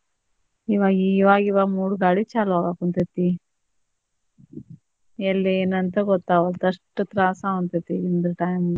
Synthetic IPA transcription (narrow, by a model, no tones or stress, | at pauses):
iʋaːɡiʋaːɡiʋaːmuːɽɡaːɽit͡ʃaːlaːɡakunt̪et̪ːi | elːeːnɐnt̪ɐɡɔt̪ːaːɐlt̪ɐʂʈːɐt̪ɾaːsaːɐnt̪et̪iind̪ɾɐʈaːjm